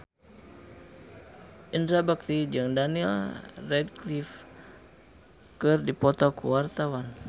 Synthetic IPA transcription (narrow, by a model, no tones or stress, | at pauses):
ʔindɾabək̚t̪id͡ʒɨŋdaniɛlrɛdklif | kɨrdipɔt̪ɔkṵwart̪awan